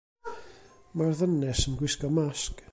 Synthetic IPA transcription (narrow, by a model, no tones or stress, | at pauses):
marðənɛsənɡwɪskɔmask